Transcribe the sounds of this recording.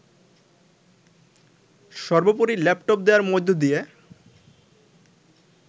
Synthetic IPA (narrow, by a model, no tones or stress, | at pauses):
ʃɔɾbopoɾilɛpʈop̚d̪ewaɾmod̪ʱːod̪ije